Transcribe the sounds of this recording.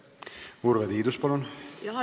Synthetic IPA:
urved̪iːd̪uspɑlon

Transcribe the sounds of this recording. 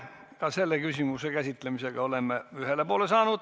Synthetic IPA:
kɑselːekysimusekæsit̪ːlemiseɡ̥ɑolemːeyhelːepuolesɑːnut̪

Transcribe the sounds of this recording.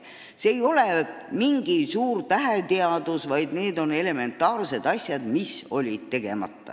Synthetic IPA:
seejo̞le̞miŋɡ̥isuːrt̪æɦet̪eɑd̪usvɑjd̪ne̞ːd̪o̞ne̞le̞me̞nt̪ːˑɑːrse̞d̪̥ɑsʲjɑd̪miso̞lʲid̪̥̚t̪e̞ɡ̥e̞̰mɑ̰t̪ːɑ̰

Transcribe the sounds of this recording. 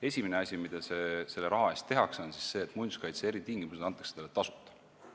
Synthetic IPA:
esʲimeneɑsʲimid̪̥ɑsese̞lːeɾɑɦɑe̞st̪e̞ɦɑkso̞nsi̥sse̞ːt̪ˑmunʲskɑjt̪see̞ɾit̪iŋɡimused̪ɑnt̪ːˑɑksed̪elet̪ɑsu̥t̪ˑːɑ̥

